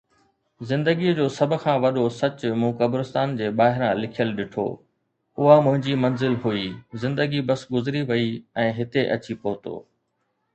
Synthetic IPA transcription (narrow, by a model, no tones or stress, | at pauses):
zɪ̃nd̪əɡid͡ʑoːsɐbʱʊ̆kʰãːʋɐɗosɐt͡ɕʊmũːkɐbɾʊst̪aːnd͡ʑeːɓaːɦɪɾãlɪkʰijəlɗɪʈʰo̰ː | ʊɦamʊ̃ɦɪ̃ɲd͡ʑimɐnzɪlɦuiːzɪ̃nd̪əɡibɐsɡʊzɪɾiʋɐiɛ̃ːɦɪt̪eʔɐ̰t͡ɕipoːt̪o̰ː